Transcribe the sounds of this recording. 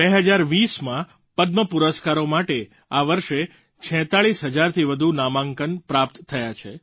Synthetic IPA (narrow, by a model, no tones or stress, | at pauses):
beɦəd͡ʒaɾʋismã | pəd̪̚məpuɾəskaɾomaʈe | aʋəɾʃe | t͡ʃʰɛ̃t̪aɭisɦəd͡ʒaɾt̪ʰiʋəd̪ʱunamãŋkənpɾapt̪ʰːəjat͡ʃʰe